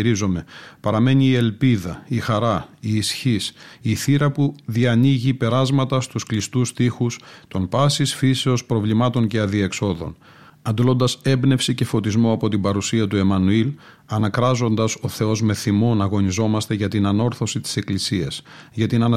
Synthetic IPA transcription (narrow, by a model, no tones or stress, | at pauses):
ɾizome̞pɐɾɐme̞niːe̞lpiðɐixɐɾɐiːsçisiθiɾɐpuðiɐniʝipe̞ɾɐzmɐt̪ɐst̪usklist̪ust̪ixust̪o̞npɐsisfise̞o̞spɾo̞vlimɐt̪o̞ɲce̞ɐðie̞kso̞ðo̞̰n | ɐnd̪olo̞nd̪ɐse̞bne̞fsice̞fo̞t̪izmo̞ɐpo̞t̪imbɐɾusiɐt̪ue̞mɐnuil | ɐnɐkɾɐzo̞nd̪ɐso̞θe̞o̞zme̞θimo̞nɐɣo̞nizo̞mɐst̪e̞ʝɐt̪inɐno̞ɾθo̞sit̪i̥se̞klisiɐs | ʝɐt̪inɐnɐ